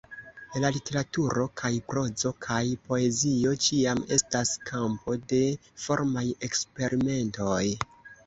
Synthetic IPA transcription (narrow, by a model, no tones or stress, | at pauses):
lalite̞ɾatuɾo̞kʰajpɾo̞zo̞kʰajpo̞e̞zio̞t͡ʃiame̞staskʰampo̞de̞fo̞ɾmaje̞kspe̞ɾime̞nto̞j